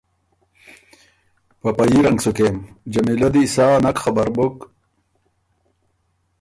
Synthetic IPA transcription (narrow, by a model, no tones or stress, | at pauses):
pɐpɐjiɾɐŋɡsukemd͡ʑɐmilod̪iːsaːnɐkxɐbɐɾbok